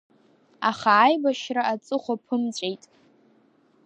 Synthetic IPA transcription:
aχaːjbaʃraʔat͡sʼɨχʷapʰɨmt͡ɕʷʼejtʼ

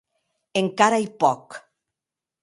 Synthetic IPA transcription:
eŋkaɾajpɔk

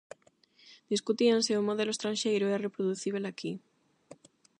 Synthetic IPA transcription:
d̪̥iskut̪ianseumːoð̞eloest̪ɾãnʃejɾoɛrepɾoðuθiβ̞elaki

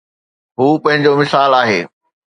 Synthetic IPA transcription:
ɦuːpɐ̃ɦɪ̃ɲd͡ʑomɪsaːlaːɦeː

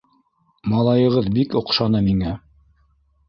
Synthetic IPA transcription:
mɑlˠɑjɤ̆ʁɤðbikŏqʃɑnɤmiŋæ

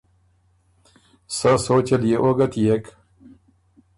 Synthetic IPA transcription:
sasoːt͡ɕɐlijeʔoɡɐt̪ijek

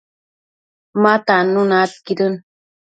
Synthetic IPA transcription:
mat̪anunat̪̚kidɯn

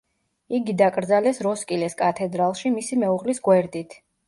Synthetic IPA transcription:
iɡid̪akʼɾd̪zalɛsɾɔskʼilɛskʼat̪ʰɛd̪ɾalˠʃimisimɛuʁlisɡwɛɾd̪it̪ʰ

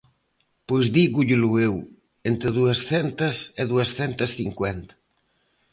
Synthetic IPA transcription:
pojzðiɣuʎɪluew | ent̪ɾeðuɐsθɛnt̪ɐsɪðuɐsθɛnt̪ɐsθiŋkwɛnt̪ɐ̥

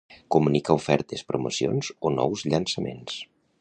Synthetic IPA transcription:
kumunikaufɛɾt̪espɾumosio̰nz̥onɔ̰wzʎənsəmḛns

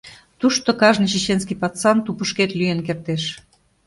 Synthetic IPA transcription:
t̪uʃt̪okɑʒnit͡ɕit͡ɕenskijpɑt͡sɑnt̪upəʃket̪lyenkert̪eʃ

